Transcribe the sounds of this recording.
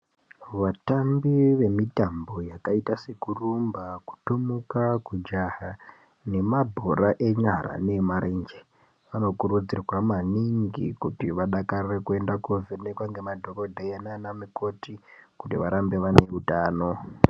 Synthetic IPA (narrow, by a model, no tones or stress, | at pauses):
ʋatambiʋe̞mitambo̞jakaitase̞kurumbaku̥tomukakud͡ʒaɦa | ne̞mabʱoɾaʔe̞ɲaɾa̰ne̞maɾend͡ʒe | ʋano̞kurud͡zirwamaniŋɡḭkutiʋaɗakarrekue̞ndakuvenekwaŋɡe̞madʱo̞ɾo̞dʱaenanamiko̞tikutiʋaɾambe̞ʋane̞utaːno̞